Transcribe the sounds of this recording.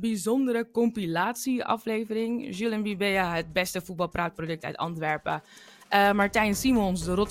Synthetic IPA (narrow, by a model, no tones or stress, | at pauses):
bizɔndəɾəkɔmpilaːtsiɑ̰fleːvərɪŋʒylˠənʋibɛaɦət̚bɛstəfut̚bɑlˠpraːt̚prodɵk̚tœ̰ɥtɑ̰ntʋɛɹpə | ʔəmaɹtɛjənsimɔnsdərɔt